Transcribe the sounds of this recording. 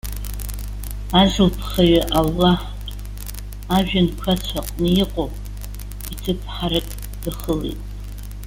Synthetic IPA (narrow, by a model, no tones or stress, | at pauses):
azɨlpʰχaɥaʔalːaħ | tʼ | aʒᶣankʷʰat͡ʃʷʰaqʼnɨjiqʼopʼ | itʰɨpʰħaɾɨkʼ | d̥aχəlḛtʼ